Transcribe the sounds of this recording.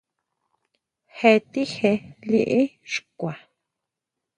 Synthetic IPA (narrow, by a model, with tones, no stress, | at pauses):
he˧t̪i˦he˧li˧ʔi˦ʃu̥kʷa˨